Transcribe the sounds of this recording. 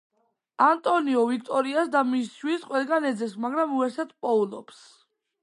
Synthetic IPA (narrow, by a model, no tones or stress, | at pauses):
ant̪ʼɔniɔvikʰt̪ʼɔɾiasd̪amisʃwisqʼwɛlˠɡanɛd̪zɛsmaɡɾamuɛɾsɛt̪ʰpʼɔulɔ̰ps